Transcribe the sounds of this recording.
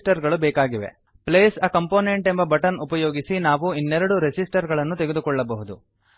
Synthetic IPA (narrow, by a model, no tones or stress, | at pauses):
ʈɐɾɡɐɭubɛːkaːɡiʋḛ | pleːsɐkɐmpoːneɳʈembɐbɐʈɐnupɐjoːɡisinaːʋuinːɛɾɐɽuɾesisʈɐɾɡɐɭɐnːut̪eɡed̪ukɔɭːɐbɐɦud̪u